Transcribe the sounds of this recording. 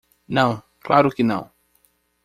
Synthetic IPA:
nɐ̃w̃ | klaɾʊkɪnɐ̰̃w̃

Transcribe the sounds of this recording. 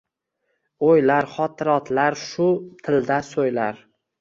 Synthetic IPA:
ojlaɾχɒt̪ʰɪɾɒt̪ʰlaɾʃʊt̪ʰɪld̪asojlaɾ

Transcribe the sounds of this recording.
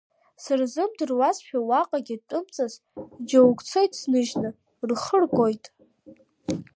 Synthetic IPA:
sɨrzɨmdɨrwasʃᶣawaqʼaɡʲɪtʼɨmt͡sʼaz | d͡ʒowkʷt͡sʰojtʼsnɨʒnɨ | rχərɡʷʼo̞jtʼ

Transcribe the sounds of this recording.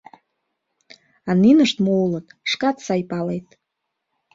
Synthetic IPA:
aninəʃt̪moulət̪ʂkat̪sɑjpɑlejt̪̚

